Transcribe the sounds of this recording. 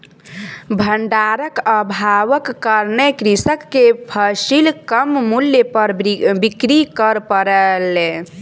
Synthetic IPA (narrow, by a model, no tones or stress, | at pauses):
bʱəɳɖaɾəkəbʱaʋəkːəɾnekɾisəkːepʰəsilkəmmuljəpəɾbikɾikəɾpəɾəle